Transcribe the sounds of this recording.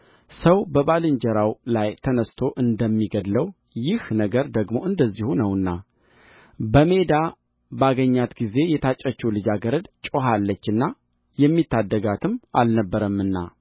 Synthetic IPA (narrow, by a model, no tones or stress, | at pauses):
səwbəβalɨɲd͡ʒɛɾawlajt̪ʰənəst̪ʰo̞ʔɨnd̪əmːiɡəd̪ləw | jɪhnəɡəɾd̪əɡmo̞ɨnd̪əzːihunəwɨnːa | bəme̞d̪a | baɡəɲːat̪ɡize̞jɛt̪ʰat͡ʃʼːət͡ʃːɛwlɨd͡ʒaɡəɾəd̪t͡ʃʼo̞ɦalːət͡ʃːɨnːa | jɛmːit̪ʰːad̪ːəɡat̪ʰɨmːʔalnəbːəɾəmɨnːa̰